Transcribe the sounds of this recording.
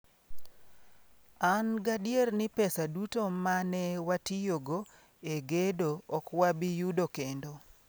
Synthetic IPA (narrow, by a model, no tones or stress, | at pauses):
anɡadjernɪpɛsadutomanɛwatijoɡo | eɡedoɔkwabijudokendo